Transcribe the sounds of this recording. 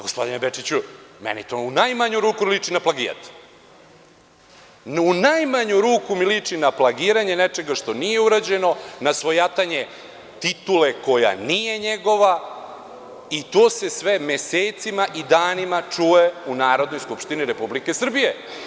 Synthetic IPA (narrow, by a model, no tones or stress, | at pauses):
ɡospo̞d̪inebet͡ʃit͡ɕumḛnḭt̪ounajmaɲuɾuːkulit͡ʂinaplaɡiːɾa̰t̪ | unajmaɲuɾuːkumilit͡ʂinaplˠaɡiːɾaɲe̞net͡ʂe̞ɡaʂt̪o̞nije̞uɾad͡ʑe̞no̞nasʋo̞jat̪aɲe̞ | t̪it̪ule̞ko̞ja̰nije̞ɲeɡo̞ʋa | it̪oːse̞sʋe̞me̞seːt̪simaʔid̪aːnimat͡ʂueunaːɾo̞d̪nojskupʃt̪iniɾe̞publike̞sr̩bije